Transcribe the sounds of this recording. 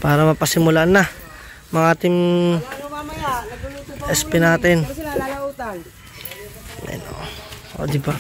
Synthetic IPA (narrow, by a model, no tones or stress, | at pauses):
paːɾamapasimulaʔna | maŋat̪ɪm | ɛspɪnat̪ɪn | mɛ̰no̰o̰d̪ɪba